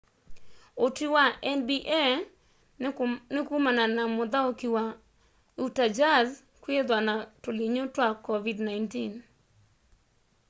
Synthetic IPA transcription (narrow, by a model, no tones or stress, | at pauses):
otiwaʔɛnbiʔɛ | nɪkumananamɔd̪aokiwa | utad͡ʒaz | kwed̪wanatoliɲotwakːɔvidnajntin